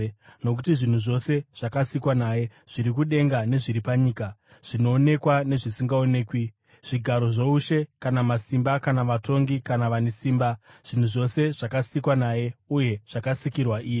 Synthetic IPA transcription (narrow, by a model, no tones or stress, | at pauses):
no̞k̬utiʐin̤uʐo̞se̞ʐ̥akasikwanaje̞ | ʐ̥iɾik̬uɗe̞ŋɡane̞ʐiɾipaɲiːka | ʐ̥inoːne̞kwane̞ʐisiŋɡaone̞ːkwi | ʐ̥iɡʱaɾo̞ʐouʃe̞kanamasimbakanaʋato̞ŋɡikanaʋanesiːmbaʐ̥in̤uʐo̞se̞ʐ̥akasikwanaːje̞uje̞ʐ̥akasikirwaʔiːje